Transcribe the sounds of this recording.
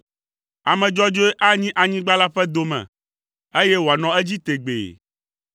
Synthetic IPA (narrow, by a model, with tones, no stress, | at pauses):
a˨mɛ̃˨d͡ʒɔ˦d͡ʒo˦ɛ˦ʔa˦ɲĩ˦ʔa˨ɲĩ˦ɡ͡ba˦la˦ɸɛ˦d̪o˦mɛ̰̃˨ | e˦je˦wo˨a˨nɔ̃˨e˦d͡ʑi˦t̪e˨ɡ͡bḛ˨